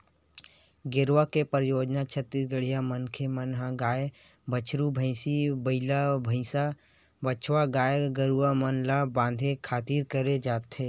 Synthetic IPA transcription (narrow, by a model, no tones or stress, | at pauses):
ɡɪɾwakepəɾjoːd͡ʒnat͡ʃʰət̪isɡəɽijamənkʰemənɦaɡaːe | bət͡ʃʰɾubʱə̃ɪ̃sibəɪlabʱə̃ɪ̃sa | bət͡ʃʰwaɡaːjeɡəɾuamənlabãːnd̪ʱekʰaːt̪iːɾkəɾed͡ʒaːt̪ːeː